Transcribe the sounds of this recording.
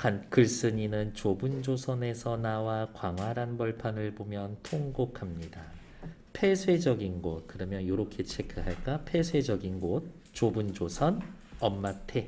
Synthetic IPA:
kankɯɭs͈ɯɲinɯnt͡ɕobund͡ʑosʰʌne̞sʰʌnawakwaŋɦwaɾanbʌɭpʰanɯɭbomjʌntʰoŋɡokʰamɲida | pʰe̞sʰwe̞d͡ʑʌɡinɡot̚kɯɾʌmjʌnjoɾʌkʰe̞t͡ɕʰekʰɯɦaɭk͈apʰe̞sʰwe̞d͡ʑʌɡinɡot̚ | t͡ɕobund͡ʑosʰʌnʌmːatʰe̞

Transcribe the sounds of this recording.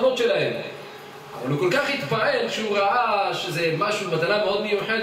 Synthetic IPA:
mo̞t̪ʃe̞lahe̞m | a̰valukolkaχhit̪bae̞lʃeuʁaʔaʃezemaʃubmat̪anameo̞d̪mejuħe

